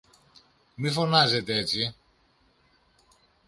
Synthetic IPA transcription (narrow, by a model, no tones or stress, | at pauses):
mifo̞nɐze̞t̪eet͡si